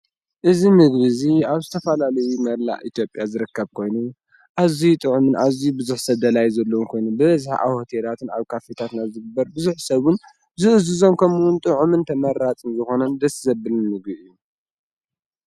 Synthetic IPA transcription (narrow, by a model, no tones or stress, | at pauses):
ʔɨzimɨɡβɨziaβzɨt̪ʰɐfɐlalɐjumɐɾla̰ʔit̪ʰjo̞pʼjazɨɾɨkʰːɐβkʰo̞jnu | ʔazit̪ʼɨʕumɨnʔaziubɨzuħsɐβd̪ɐlajzɐlːowunkʰo̞jnubɨβɐzħa̰ʔa̰hot̪ʰelat̪ʰɨna̰βkʰafet̪ʰat̪nazɨɡɨbːɐɾbɨzuħsɐβʊn | zɨʔɨzɨzo̞mkʰɐmuwunt̪ʼɨʕumɨnt̪ʰɐmɐɾat͡sʼɨnzɨxo̞nɐnd̪ɐszɐbɨlɨnmɨɡbɨʔɨjːu